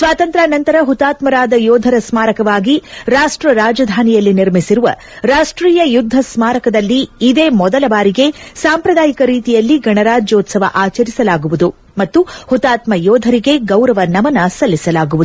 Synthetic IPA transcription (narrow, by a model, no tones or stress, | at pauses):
sʋaːt̪ɐnt̪ɾaːnɐnt̪ɐɾɐɦut̪aːt̪mɐɾaːd̪ɐjɔːd̪ʱɐɾɐsmaːɾɐkɐʋaːɡiɾaːʂʈɾɐɾaːd͡ʒɐd̪ʱaːnijɐlːiniɾmisiɾuʋɐ̰ | ɾaːʂʈɾiːjɐjud̪ʱːɐsmaːɾɐkɐd̪ɐlːiːd̪e̞ːmɔd̪ɐlɐbaːɾiɡe̞saːmpɾɐd̪aːjikɐɾiːt̪ijɐlːiɡɐɳɐɾaːd͡ʒoːt̪sɐʋɐ̰ʔaːt͡ʃɐɾisɐlaːɡuʋud̪u | mɐt̪ːuhut̪aːt̪mɐjɔːd̪ʱɐɾiɡe̞ɡɐwɾɐʋɐnɐmɐnɐsɐlːisɐlaːɡuʋu